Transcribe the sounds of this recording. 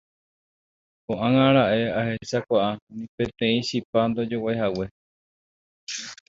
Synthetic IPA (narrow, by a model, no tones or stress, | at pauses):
õʔãŋãɾaʔe̞ahe̞sakʷaʔanĩpẽ̞t̪ẽ̞ĩʃipand̪o̞d͡ʒowaeɦawe̞